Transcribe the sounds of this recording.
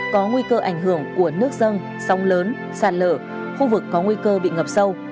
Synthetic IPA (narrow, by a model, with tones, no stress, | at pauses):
kɔ˨˦ŋwi˧kəː˧ʔa˧˩jŋ̟ɦɨ˧˩əŋku˧˩ənɨ˦˥ək̚zə˧n | sɔ˨˦wŋ͡mləː˨˦n | saː˨˩t̚lə̰ː˧˩ | xu˧vɨ˨˩kːɔ˨˦ŋwi˧kəː˧ɓḭ˧˨ŋə˨˩p̚sə˧w